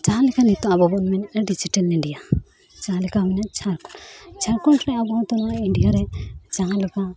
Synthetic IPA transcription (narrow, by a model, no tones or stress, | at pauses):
t͡ʃaɦalikanit̪ɔabɔbɔnmɛnɛɖid͡ʒiʈɛlnɛɖija | t͡ʃaalikaminat͡ʃʰaɾkɔt͡ʃʰaɾkɔɳɾɛabɔ̃t̪ɔnaiɳɖijaɾɛd͡ʒaŋalɔka